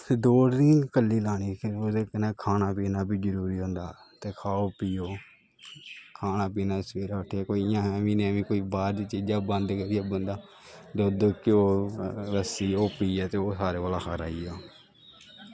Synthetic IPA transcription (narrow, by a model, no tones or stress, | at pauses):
d̪oːɽniːkəlːiːlaːɽ̃iːkoeːkneːkʰaːnaːpiːnaːbʱiːd͡ʒəɾuːɾiːɦõːnd̪a̰ː | t̪eːkʰaːoːpiːjoː | kʰaːnaːpiːnaːsʋeːɾaːʊʈʰːjaːkoːiɪjãːɦɛːʋĩːnẽːʋĩːkoːiːbaːɾd̪it͡ʃiːd͡ʒaːbənd̪kəɾɪaːbənd̪aː | d̪oːd̪əkeoːɾəsiːoːpiːaːt̪eːoːsaːɾeːʋaːlaːkʰaːɾa̰ːiːjaː